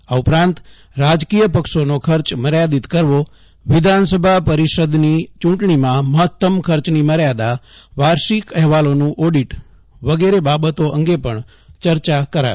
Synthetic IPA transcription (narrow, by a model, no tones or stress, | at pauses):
aupɾãnt̪ | ɾad͡ʒkijəpəkʃonokʰəɾt͡ʃməɾjad̪it̪kəɾʋo | ʋɪd̪ʱansəbʱapəɾiʃəd̪nit͡ʃũʈɳimãməɦət̪ːəmkʰəɾt͡ʃniməɾjad̪aʋaɾʃikɛɦʋalonũʔɔɖiʈ | ʋəɡeɾebabət̪oʔəŋɡepəɳ | t͡ʃəɾt͡ʃakəɾa̰